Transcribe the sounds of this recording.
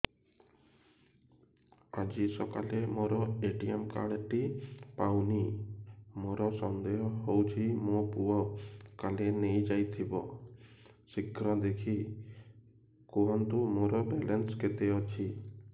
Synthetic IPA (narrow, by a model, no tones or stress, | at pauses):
ad͡ʒisɔkalemoɾɔeʈiemka̰ɽʈipawni | moɾɔsɔnd̪eɦɔɦowt͡ʃʰimopuɔkalenejd͡ʒajt̪ʰibɔ | sikɾɔd̪ekʰi | kuɔnt̪umoɾɔbelensket̪eɔt͡ʃʰi